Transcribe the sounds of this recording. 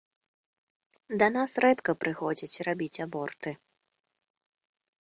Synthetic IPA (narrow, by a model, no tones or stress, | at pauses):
d̪ɐnasrɛt̪kɐpɾɨxɔd͡zʲit͡sʲrabʲit͡sʲabɔrt̪ɨ